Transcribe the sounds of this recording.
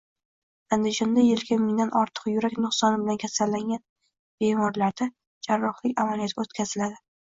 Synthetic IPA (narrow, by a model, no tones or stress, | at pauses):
and̪ɪd͡ʒɒnd̪ajelɡʲamɪŋd̪anʔɒɾt̪ʰɨ̥qjʊɾakʲnʊχsɒnɪbɪlankʲʰasalːaŋɡʲan | b̥e̞mɒɾlaɾd̪a | d͡ʒaɾːɒχlɪkʲamalijat̪ʰɪot̪kʰʲazɪlad̪ɪ